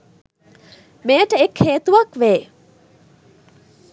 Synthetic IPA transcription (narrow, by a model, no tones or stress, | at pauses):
meːʈəekʰheːt̪uʋɐkʋeː